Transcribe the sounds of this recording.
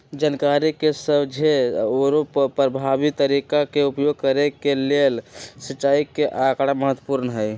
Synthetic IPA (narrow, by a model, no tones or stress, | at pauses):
d͡ʒankaɾikesəbd͡ʒʱeoɾoppɾəbʱabit̪ːəɾikakeupjoɡ̚kəɾekelelsət͡ʃaikeʔakɽaməɦət̪wəpuɾnəɦəj